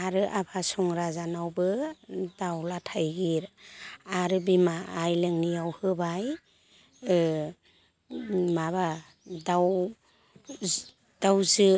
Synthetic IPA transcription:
aɾɯʔabʰasɔŋɾazanawbɯdawlatʰajɡiɾaɾɯbimaːjlɯŋnijawhɯbaj | maβa | daw | d̥awzɯ

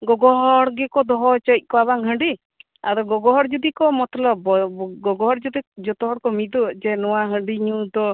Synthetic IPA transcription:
ɡɔɡɔɦɔɽɡɛkɔd̪ɔɦɔt͡ʃɔc̚ˀkɔaβaŋɦəɳɖi | a̰ɾɔɡɔɡɔɦɔɾd͡ʒɔd̪ikɔmɔt̪lɔbɔɡɔɡɔɦɔɾd͡ʒɔd̪id͡ʒɔt̪ɔɦɔɾkɔmid̪ud͡ʒɛnɔwaɦə̃ɳɖiɲud̪ɔ

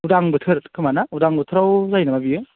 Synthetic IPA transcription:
udaŋbɯtʰɯɾkʰɯmanaudaŋbɯtʰɯɾawzajnamabiɯ

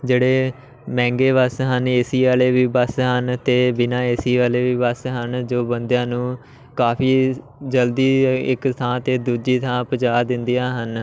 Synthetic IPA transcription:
d͡ʒeːɽeː | mɛ̃ːŋɡeːʋəsɦəneːsiːʋaːleːʋiːbəsɦənt̪eːbɪnãːeːsiːʋaːleːʋiːbəsɦənd͡ʒoːbənd̪jãːnũː | kaːpʰiː | d͡ʒəld̪iːɪ̰kt̪ʰãːt̪eːd̪uːd͡ʒiːt̪ʰãːpət͡ʃaːd̪ɪnd̪ɪjaːɦən

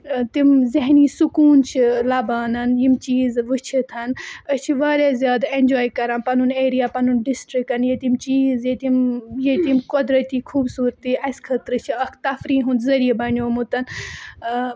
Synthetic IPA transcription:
t̪imzeɦniːsukuːnt͡ʃʰilaːbaːnɐnjimt͡ʃiːzʋɨt͡ʃʰit̪ʰɐnɐst͡ʃʰiʋaːɾjaːzjaːd̪aend͡ʒoːjkɐɾãːnpɐnuneːɾijaːpɐnunɖisʈɾik̚ɐnjet̪imt͡ʃiːzjet̪imjet̪imkod̪ɾɐt̪iːkʰuːbsuːɾt̪iɐskʰɐt̪ɾɨt͡ʃʰiɐkt̪ɐfɾiːɦũnd̪zɐɾijebɐnʲoːmut̪ɐn

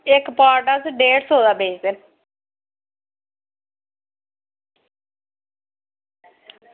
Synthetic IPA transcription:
ɪkpaːɾʈasɖeːɖsoːd̪aːbeːd͡ʒd̪en

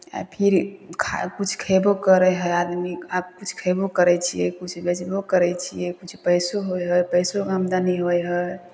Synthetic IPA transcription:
a̰pʰiɾkʰakut͡ʃʰkʰebokəɾɛɦəjad̪miab̚kut͡ʃʰkʰebokəɾɛt͡ʃʰijɛ̰kut͡ʃʰbed͡ʒbokəɾɛt͡ʃʰijɛkut͡ʃʰpəjsoɦojɦəjpəjsoəmd̪aniɦojɦə

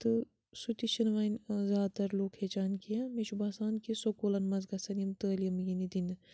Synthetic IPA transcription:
t̪ɨ | sut̪iʃɐnʋaːnzʲaːt̪ɐɾloːkheːt͡ʃaːnkijãmet͡ʃʰubaːsaːnkisokoːlɐnmɐzɡɐsɐnijɐmt̪əːlijɐmjinid̪inɨ

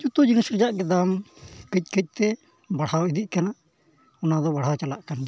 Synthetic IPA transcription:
t͡ʃut̪ud͡ʒinisɾɛd͡ʒaʔɡɛd̪amkəc̪̚ˀkəc̪̚ˀt̪ɛ | baɽ̤awid̪iʔ̚kana | ɔnad̪ɔbaɽ̤awt͡ʃalaʔkan

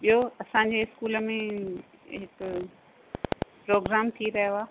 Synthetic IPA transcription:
ɓijoɐsãɲ̆d͡ʑeːɪskuːləmḛ̃ | ɦɪk | pɾoːɡɾaːmt̪ʰiɾɐɦjoaː

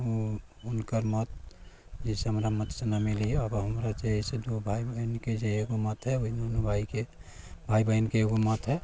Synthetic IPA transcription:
o | ʊnkəɾmət̪ | d͡ʒiseɦəmɾamət̪senamilieəbɦəmɾat͡ʃeised̪obʱaibəinked͡ʒeeɡomət̪ɦɛoinonubʱaike | bʱaibəinkeeːɡomət̪ɦɛ

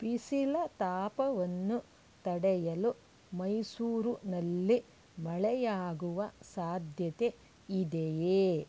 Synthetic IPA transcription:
pisilɐt̪aːpɐʋɐnːu | t̪ɐɽɛjɐlu | mɐjsuːɾunɐlːi | mɐɭɛjaːɡuʋɐsaːd̪ʱjɐt̪e | id̪ejeː

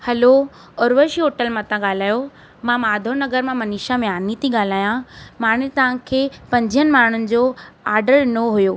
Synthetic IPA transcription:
hɐlo | ɔːɾʋəɾʃiɦoːʈəlmãt̪ãɠaːl̤aːjo | mãmaːd̪ʱonɐɡəɾmãmɐniːʃamẽaːnit̪ʰiɠaːl̤aːjãmaːɽ̤̃ɪt̪ɐʋ̤ãkʰeːpɐ̃ɲd͡ʑʱijənɪ̆maːɳ̤ʊnɪ̆d͡ʑoaːɾɖəɾnoɦujoː

